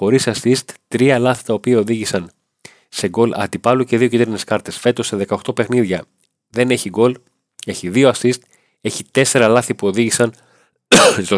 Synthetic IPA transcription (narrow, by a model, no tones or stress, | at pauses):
xo̞ɾisɐsist̪t̪ɾiɐlɐθi̥t̪ɐopiɐo̞ðiʝisɐn | se̞ɡo̞lɐ̰t̪ipɐluce̞ðio̞cid̪eɾne̞skɐɾt̪e̞sfe̞t̪o̞se̞ðe̞kɐo̞xt̪o̞pe̞xniðʝɐ | ðe̞ne̞çiɡo̞l | e̞çiðio̞ɐsist̪ | e̞çit̪e̞se̞ɾɐlɐθipuo̞ðiʝisɐn | t̪o